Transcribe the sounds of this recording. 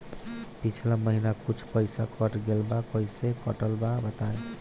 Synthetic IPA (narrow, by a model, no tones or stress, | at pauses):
pit͡ʃʰilamʌɦinakut͡sʰpʌjsakʰʌʈɡelbakʌjsekʌʈəlbabʌt̪ae